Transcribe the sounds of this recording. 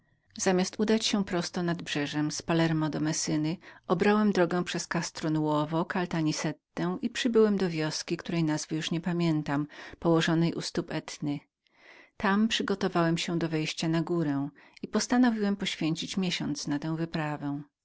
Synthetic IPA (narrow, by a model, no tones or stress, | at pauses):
z̥amʲjast̪ud̪at͡ɕɕɛ̃pɾɔst̪ɔnad̪bʐɛʐɛmspalɛɾmɔd̪ɔmɛsɘnɘɔbɾawɛmd̪ɾɔɡɛw̃pʂɛskast̪ɾɔnuwɔvɔkalt̪aɲisɛt̪ːɛw̃ʔipʂɘbɘwɛmd̪ɔvʲjɔskʲikt̪uɾɛjnazvɘjuʂɲɛpamʲjɛnt̪ampɔwɔʐɔnɛjʔṵst̪upɛt̪nɘ | t̪ampʂɘɡɔt̪ɔvawɛmɕɛ̃d̪ɔvɛjɕt͡ɕanaɡuɾɛw̃ipɔst̪anɔvʲiwɛmpɔɕfʲjeɲt͡ɕit͡ɕmʲjɛɕɔnt̪snat̪ɛ̃w̃vɘpɾavɛ̃w̃